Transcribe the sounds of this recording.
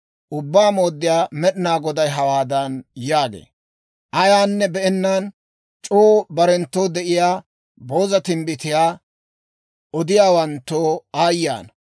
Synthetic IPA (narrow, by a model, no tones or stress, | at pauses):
ʔʊbːaːmo̞ːd̪ːɪjaːmɛɗɪnaːɡɔd̪ɐjɦɐwaːd̪ɐnjaːɡḛː | ʔɐjaːnːɛbɛɛnːaːn | t͡ʃʼoːbɐɾɛnt̪ːoːd̪ɛʔɪjaː | bo̞ːzɐt̪ɪmbɪt̪ɪjaː | ɔd̪ɪjaːwɐnt̪ːoːaːjːa̰ːnɐ